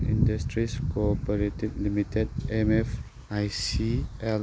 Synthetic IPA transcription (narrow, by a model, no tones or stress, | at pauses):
ĩndəstɹiskoɔpəɹetɪd̚limitəd̚ɛmɛf | ajsiɛ